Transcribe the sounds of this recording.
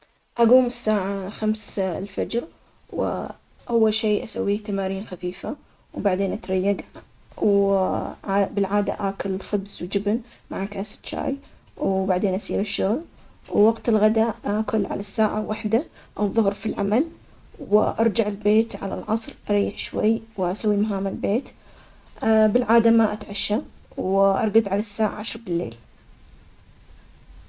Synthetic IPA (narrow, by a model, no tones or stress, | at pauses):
ʔaɡuːmɪsːaːʕaxamslfad͡ʒɾ | wɪ̰ | ʔawːalʃeːʔasawːiːht̪amaːɾiːnxafiːfa | wbaʕd̪eːnʔat̪ɾˤɑjːaɡ | w | bɪlʕaːd̪a̰ʔaːkʊlxʊbzwd͡ʒɪbnmaʕakaːsɪ̥t̪t͡ʃa̰ːjwbaʕd̪eːnʔasiːɾɪʃːʊɣl | wwaɡt̪ɪlɣad̪akʊlːʕa̰lasːaːʕawaħd̪a | ʔawðˤʊhɾfilʕa̰mal | wɪʔɑɾˤd͡ʒaʕɪlbeːt̪ʕa̰la̰lʕɑsˤɾʔɑɾˤiːɪħʃwa̰jːwʔasawːimaɦaːmalbeːt̪ | bɪlʕaːd̪amaʔat̪ʕaʃːawwʔɑ̰ɾˤɡad̪ʕalasːaːʕa̰ʕaʃɾˤbɪlːḛːl